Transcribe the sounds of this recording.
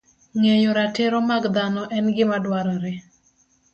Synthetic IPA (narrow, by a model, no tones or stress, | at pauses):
ŋejoɾateɾɔmaɡd̪anɔʔɛnɡɪmadwaɾaɾɛ